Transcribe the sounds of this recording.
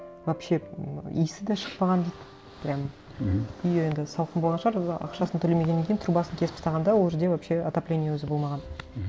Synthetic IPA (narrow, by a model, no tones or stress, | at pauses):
vapʃe̞ḭjsɪd̪ɑʃə̥qpɑʁɑnd̪ejt̪ | b̥ɪɾʲɑm | ʏje̞nd̪ɪsɑlˠəqəboʁɑʃəʁɑɾɑ̰qʃɑsənt̪ʰɵleme̞ɡʲeːeŋʲkʲejɪnt̪ʰɾubɑsəŋkʲʰe̞spɪst̪ɑʁɑnd̪ɑwolˠʒɪɾd̪evapʃe̞ɑt̪aplʲe̞nʲijəwɵzɪbo̞lˠmɑʁɑn